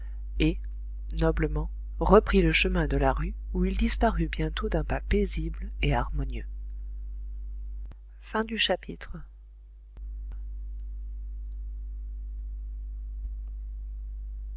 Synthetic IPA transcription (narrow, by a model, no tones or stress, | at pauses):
e | nɔbləmɑ̃ | ʁəpχiləʃəmɛ̃d̪əlaʁy | uild̪ispaʁybjɛ̃t̪od̪ɛ̃papezibleaʁmɔnjø | fɛ̃d̪yʃapʰit̪χə